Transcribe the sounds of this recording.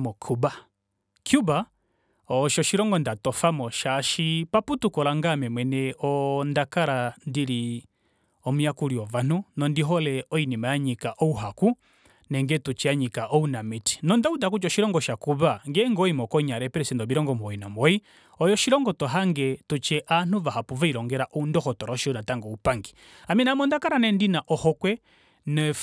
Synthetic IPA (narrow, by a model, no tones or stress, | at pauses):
mɔkʰuba | kjuba | ɔʃɔʃiɾɔŋɡɔndatɔfamɔʃaʃipaputukɔlaŋɡamɛmwɛnɛɔndakaɾandiɾi | ɔmujakuɾiɔvan̥unɔndiɦɔlɛɔinimajaɲikaʔɔuɦaku | nɛŋɡɛtut͡ʃɛaɲikaʔɔunamiti̥nɔndautak̬ut͡ʃɔʃiɾɔŋɡɔʃakuβaŋɡɛŋɡɔimɔkɔɲaɾɛpɛɾɛsɛndɔbiɾɔŋɡɔmɔinamɔi | ɔjɔʃiɾɔŋɡɔtɔɦaŋɡɛtut͡ʃɛʔan̥uvahapuvaiɾɔŋɡɛɾaʔɔundɔhɔtɔɾaɔʃiɔnataŋɡɔupaŋɡi | aminamɔndakaɾanɛndinaʔɔhɔkwɛ | nɛ